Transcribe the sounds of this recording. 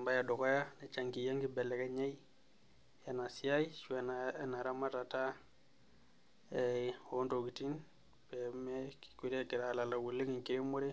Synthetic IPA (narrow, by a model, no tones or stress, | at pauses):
mbajadokojanet͡ʃaŋkijaŋɡibelekeɲei | janasiajʃuenaenaɾamatata | ehontoɡitin | pemeki̥kiɾekiɾalalawulːeŋiŋkiɾemoɾe